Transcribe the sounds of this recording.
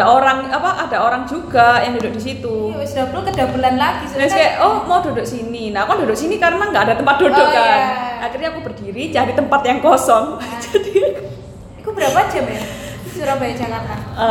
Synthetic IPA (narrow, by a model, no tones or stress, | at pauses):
aʔoɾaŋapaʔadaʔoɾaŋd͡ʒuɡ̥ajaŋdodoʔ̚disit̪usədablukəd̥abəlanlaɡ̥isunaskaaʔʔɔhmawdodoʔsininakɔndodoʔsinikaɾənaŋɡaadat̪əmpat̪̚d̥odoʔkanakirɲaːkubərd̥iɾit͡ʃaɾit̪əmpat̪jaŋkɔsɔŋt͡ʃadiak | ikubəɾapaad͡ʒamasuɾabaɪk̚d͡ʒakat̪anə